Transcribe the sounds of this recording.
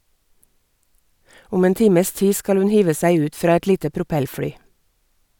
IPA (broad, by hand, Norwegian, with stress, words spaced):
ˈʊm ˈeːn ˈtiːməs ˈtiː ˈskɑl ˈʉn ˈhiːʋə ˈsæɪ ˈʉːt ˈfɾɑː ˈɛt ˈliːtə pɾʊˈpɛlˌfɽyː